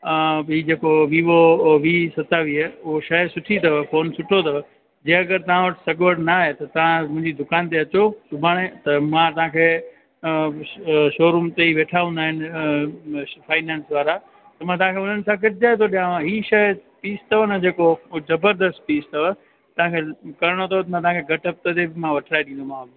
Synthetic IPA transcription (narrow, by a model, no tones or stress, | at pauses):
ɦiːd͡ʑeːkoʋiːʋoʋiːsɐt̪aʋiːʊɦoʃɐɦsʊʈʰit̪ɐʋfoːnsʊʈʰot̪ʰɐʋ | d͡ʑẽẽɐɡəɾt̪ɐʋ̤ãʋɐʈɪ̥sɐɡʋəɽnaːɦet̪ɐt̪ɐʋ̤ãmʊ̃ɦɪ̃ɲd͡ʑid̪ʊkaːnt̪̬eɐt͡ɕosʊbʱaːɽ̃ẽt̪ɐmãt̪ɐɦãkʰeː | ʃoːɾuːmt̪eiʋeːʈʰaːũnd̪aːɦɪnɪ | fʰaːɪnɛ̃ːnsʋaːɾa | t̪ɐmãt̪ɐɦãkʰeʊn̤ənɪ̆sãɡɐʈ̚d͡ʑaːet̪ʰoɗijããɦiːʃɐjpiːst̪ʰɐʋonɐd͡ʑeːkozɐbəɾd̪əst̪̚piːst̪ʰɐʋə | t̪ɐʋ̤ãkʰekɐɾɪɽ̃ot̪ʰɐot̪ɐmãt̪ɐʋãkʰeɡɐʈɐp̚t̪ɐt̪ebɪmãʋɐʈʰɾaːeɗĩːnd̪omãː